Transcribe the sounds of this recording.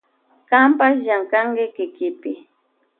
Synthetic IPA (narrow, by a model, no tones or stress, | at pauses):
kampasjaŋkaŋkɪkɪkɪpɪ